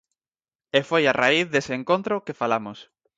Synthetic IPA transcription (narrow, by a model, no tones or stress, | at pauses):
efojaraiθðeseeŋkont̪ɾokefalamos